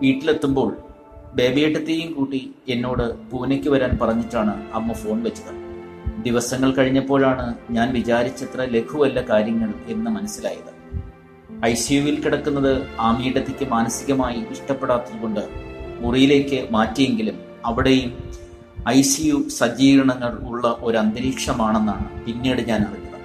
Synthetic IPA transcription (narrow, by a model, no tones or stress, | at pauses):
ʋiːʈːile̞t̪ːumbo̞ːɭ | be̞ːbijɐʈːɐt̪ːejumkuːʈːie̞nːo̞ːɽɨpuːnekʲːɨʋɐɾaːnpɐrɐɲːiʈːaːɳɨɐmːɐfo̞ːɳʋɐt͡ɕːɐðɐ | d̪iʋɐsɐŋːɐɭkɐɻiɲːɐpːo̞ːɭaːɳɨɲaːnʋit͡ɕaːɾit͡ɕːɐt̪rɐle̞kʰuʋɐlːɐkaːɾjɐŋːɐɭe̞nːɨmɐnɐsːilaːjɐðɨ | ɐjsijuʋilkiɽɐkːunːɐðɨaːmiːɽɐt̪ːekʲːɨmaːnɐsiɣɐmaːjiiʂʈɐpːe̞ɽaːt̪ːiðko̞ɳɖɨurijile̞ːkʲːɨmaːtːije̞ŋɡilum | ɐʋiɽe̞jum | ɐjsijusɐd͡ʑiːɾɐɳɐŋːɐɭuɭːɐʔo̞ɾuɐnd̪ɐɾiːkʂɐmaːɳe̞nːaːɳɨpinːe̞ːɽɨɲaːnɐrɐikːɐnɐ